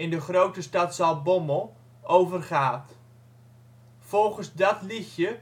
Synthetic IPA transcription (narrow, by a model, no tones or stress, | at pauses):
ɪndəχrowtəstɑtsɑl̚ˠboməlˠ | ʔowvərχaːt | fɔlˠχənzdɔtlixjə